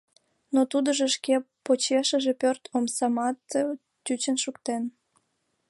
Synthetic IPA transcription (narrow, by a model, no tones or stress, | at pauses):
not̪ud̪əʒeʃkepot͡ɕeʃəʒepørt̪ʰomsɑmɑt̪ | t͡ɕyt͡ɕənʃukt̪en